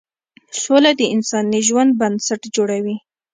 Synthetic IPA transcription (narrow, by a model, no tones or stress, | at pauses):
solad̪əɪnsɑniʒwand̪̚bansaʈd͡ʒoɽawi